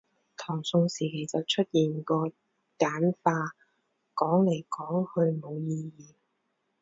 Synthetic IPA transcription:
t̪ʰɔː˨˩ŋsʊ˧ŋsiː˨˩kʰe˨˩jt͡sɐ˨wt͡ʃʰɵ˥t̚jiː˨˩nkɔː˧ | kaː˨˥nfaː˧ | kɔː˨˥ŋle˨˩jkɔː˨˥ŋhɵ˧ɥmo˨˧wjiː˧jiː˨˩n

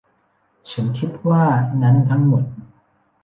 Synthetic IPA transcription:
t͡ɕʰa˩˦˥nkʰi˦˥t̪̚waː˥˩na˦˥nt̪ʰa˦˥ŋmo˨˩t̪̚

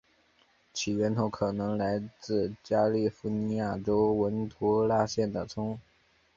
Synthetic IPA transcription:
t͡ɕʰi˨˩ɥɛ˧˥nt̪ʰo˧˥ʊkʰɤ˨˩nɤ˧˥ŋla˧˥ɪt͡sɹ̩˥˩t͡ɕja˥li˥˩fu˧˥ni˧˥ja˥˩ʈ͡ʂo˥ʊwə˧˥nt̪ʰu˧˥la˥˧ɕjɛ˥˩nd̪ə˩t͡sʰʊ˥ŋ

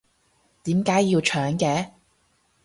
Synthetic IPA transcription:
t̪iː˨˥mkaː˨˥jːiː˧wt͡ʃʰœː˨˥ŋkɛː˨˧

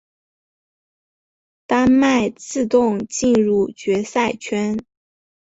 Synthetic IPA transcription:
t̪a˥nma˥˧ɪt͡sɹ̩˥˧t̪ʊ˥˧ŋt͡ɕi˥˧nɻu˥˩t͡ɕɥɛ˧˥sa˥˩ɪt͡ɕʰɥɛ˥n

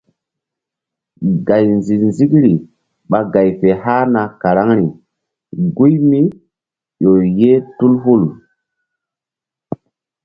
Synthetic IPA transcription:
ɡa˨jnzi˨nzi˦kɾi˨ | ɓa˨ɡa˨jfe˨ha˦na˨ka˨ɾa˦ŋɾi˨ | ɡu˦jmi˦ | jo˨je˦tu˦lɦu˦˨l

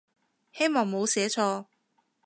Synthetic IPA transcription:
he˥jmɔː˨˩ŋmo˨˧wsɛː˨˥t͡ʃʰɔː˧

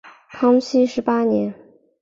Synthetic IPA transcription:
kʰɑ˥ŋɕʰi˥ʂɻ̩˧˥pa˥njɛ˧˥n

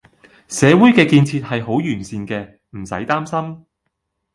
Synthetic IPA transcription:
sɛː˨˧wuː˨˥jkɛː˧kiː˧nt͡sʰiː˧t̚hɐ˨jɦo˨˥wjyː˨˩nsiː˧nkɛː˧ | m̩˨˩sɐ̰˨˥jt̪aː˥msɐ˥m

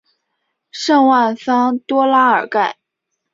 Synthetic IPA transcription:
ʂɤ˥˧ŋwa˥˩nsɑ˥ŋt̪wɔ˥la˥ə˞˨˩ka˥˩ɪ

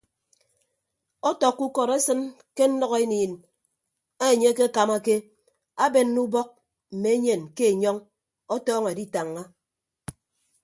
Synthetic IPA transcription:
ɔ˦tɔ˨kːu˦kɔ˨ɾe˦sɨ˦n | ke˦n̩˦nɔ˦ɣe˦niː˨n | a˦˨ɲe˦ke˦a˦ka˨ma˦ke˦ | a˦be˨nː˦u˦bɔ˦k̚ | m̩˨me˨e˦ɲe˨nke˦e˨ɲɔ˦ŋ | ɔ˦tɔː˦ŋe˨di˦ta˨ŋːa˦

